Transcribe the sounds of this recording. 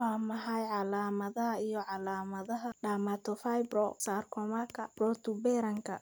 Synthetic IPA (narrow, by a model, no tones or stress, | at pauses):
wɑːmɐħɑjʕɑlaːmɐðɐɦɐijɔʕɑlaːmɐðɐɦɐɖaːmat̪ʰɔfajbrɔsaːrkʰɔmɐkʰɐb̥ɔːt̪ʰʊbɛːɾɐŋkʰɐ